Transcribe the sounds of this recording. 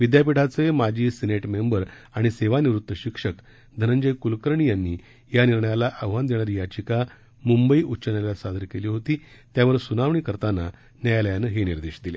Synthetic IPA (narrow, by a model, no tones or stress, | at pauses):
ʋid̪jap̬iʈʰat͡semad͡ʑʱiːseneʈmembəɾaɽ̃iseʋaniʋɾut̪ːəɕikʂək | d̪ʱənəɲd͡ʑəjkulkəɾɳijanːiː | janiɾɳəjalaʔəʋʋand̪eɳ̃aɾijat͡ɕika | mumbəiːʔutːɕənjalasad̪ʱəɾkeliːɦot̪iːt̪jaʋəɾsunaʋɳiːkəɾt̪anːa | njajaləjanəɦeniɾd̪eɕd̪ile